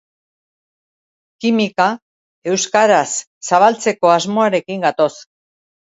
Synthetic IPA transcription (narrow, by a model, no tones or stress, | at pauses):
kimika | e̞wskaɾasː | aβ̞alt͡se̞ko̞azmo̞aɾe̞kiŋɡat̪o̞s